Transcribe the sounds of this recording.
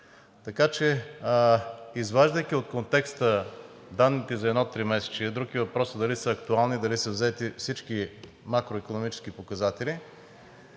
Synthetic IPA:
t̪ɐkat͡ʃɛ | izvaʒd̪əjk̟iot̪̚kont̪ɛkst̪ə | d̪anːit̪ɛzɐɛd̪nɔt̪ːɾimɛsɛ̥t͡ʃiɐd̪ɾukivɐpɾɔsəd̪ɐlisəːkt̪ualˠnid̪ɐlisəvzɛt̪ifsit͡ʃki | makɾoikonomit͡ʃɛ̥skipokɐzat̪ɛli

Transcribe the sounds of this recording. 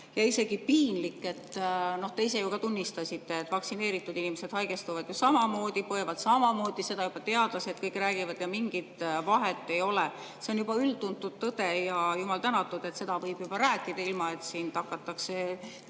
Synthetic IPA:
jɑise̞ɡ̥ipiːnlikːˑe̞t̪ːˑno̞ht̪e̞is̬e̞jukɑt̪unʲːist̪ɑsit̪ːe̞ːt̪ːˑvɑksine̞ːɾit̪ːˑud̪inimese̞d̪̥hɑjɡ̥e̞st̪uvɑd̪̥jusɑmɑmo̞ːd̪̥ipoevɑd̪̥sɑmɑmo̞ːd̪̥ise̞d̪̥ɑjub̥ɑt̪e̞ɑd̪̥losed̪̥̚kɤjkræːɡ̥ivɑd̪̥jɑmiŋɡ̥it̪vɑɦe̞t̪ːe̞jo̞le | se̞onjub̥ɑylt̪unt̪ːud̪̥̚t̪ɤd̪̥e̞jɑjumɑlt̪ænɑt̪ːˑud̪̥e̞t̪ːse̞d̪̥ɑvɤjb̥jub̥ɑɾæːkːˑid̪̥ɑilmɑet̪siːnt̪ɑkːˑɑt̪ːˑɑkse̞

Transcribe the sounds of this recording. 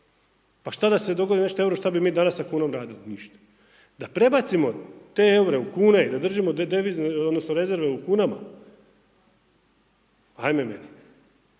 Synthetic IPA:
paʃt̪ad̪ase̞d̪o̞ɡod̪ine̞ʃt̪oe̞wɾoʃt̪abimiːd̪anassakuːnomɾaːd̪iloniʃt̪ḁ | d̪apɾe̞bat̪simo̞t̪e̞euɾe̞ukuːneid̪ad̪r̩ʒimod̪eʋizneod̪nosnoɾe̞ze̞ɾʋeukuːnama̰ | ajmemḛni

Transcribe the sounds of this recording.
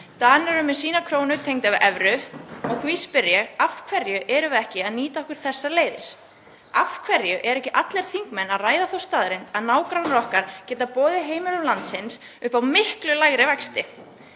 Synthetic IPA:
t̪anɛɾʏmɪsiːnakʰɾoːwnʏt̪ʰejŋt̪avɪʔɛvɾʏɔθuispʏɾjɛɣafkʰvɛɾjʏʔɛɾʏvɛhcɪaðniːt̪aɔhkʏɾ̥θɛsːaleːjðɪɾ̥ | afkʰvɛɾjʏʔɛɾɛhcɪʔat̪lɛɾ̥θiŋkmɛnːaðraːjðaθowst̪aðɾɪnt̪aðnaːwkɾawnɾɔhkaɾ̥cɛːt̪apɔːðɪɦeːjmɪlʏlant̪sɪns | ʏhpawmɪhklʏlaɣɾɪvɛkst̪ɪ

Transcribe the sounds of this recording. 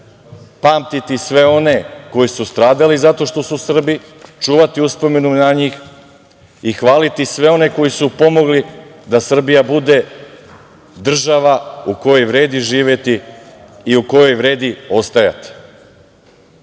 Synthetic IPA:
paːmt̪it̪isʋe̞o̞ne̞ko̞jisust̪ɾaːd̪alizat̪o̞ʃt̪o̞susr̩bi | t͡ʃuːʋat̪iuspo̞me̞nunaɲix | ixʋaːlit̪isʋe̞o̞ne̞ko̞jisupo̞mo̞ɡlid̪asr̩bijabud̪e̞ | d̪r̩ʒaʋauko̞jo̞jvɾe̞ːd̪iʒiːʋet̪iː | uko̞jo̞jvɾe̞ːd̪io̞st̪aja̰t̪i̥

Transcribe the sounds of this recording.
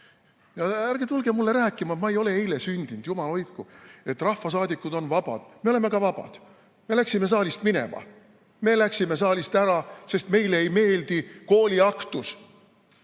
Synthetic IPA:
jɑæɾɡ̥e̞t̪ulɡ̥emulːe̞ɾæːkːˑimɑmɑejo̞le̞e̞jle̞synʲd̪̥ind̪̥jumɑlo̞jt̪kue̞t̪ːˑrɑhfɑsɑːd̪ikːˑud̪̥o̞nvɑb̥ɑ̰d̪̥me̞o̞leme̞kɑvɑbɑ̰d̪̥ | me̞læksime̞s̬ɑːlʲist̪mine̞̰mɑ̰ | me̞læksime̞s̬ɑːlʲist̪æɾɑse̞st̪me̞jleejme̞ːld̪̥iko̞ːlʲiɑkt̪us

